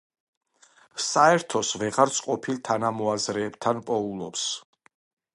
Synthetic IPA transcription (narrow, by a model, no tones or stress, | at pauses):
saɛɾt̪ʰɔsvɛʁaɾt̪sʼqʼɔpʰilˠt̪ʰanamɔazɾɛːbt̪ʰanpʼɔulˠɔps